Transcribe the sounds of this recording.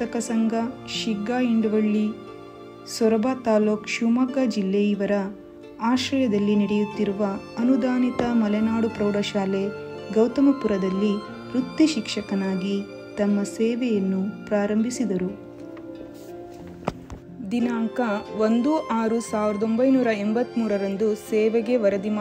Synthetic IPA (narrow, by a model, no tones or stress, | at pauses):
t̪ɐkɐsɐŋɡʱɐʃiɡːaːiɳɖʋɐɭːi | sʋɐɾɐbʱaːt̪aːloːkʃumɐɡɐd͡ʒilːejiʋɐɾɐ | aːʃɾɐjɐd̪ɐlːiniɽɛjut̪ːiɾuʋɐɐnud̪aːnit̪ɐmɐlɛnaːɽupɾɐwɽɐʃaːle | ɡɐwt̪ɐmɐpuɾɐd̪ɐlːi | ɾut̪ːiʃikʂɐkɐnaːɡi | t̪ɐmːɐseːʋɛjɐnːupɾaːɾɐmbʱisid̪ɐɾu | d̪inaːŋkɐʋond̪uʔaːɾusaːʋiɾɐd̪o̞mbɐjnuːɾɐɛmbɐt̪ːmuːɾɐɾɐnd̪usɛːʋeɡe̞ʋɐɾɐd̪im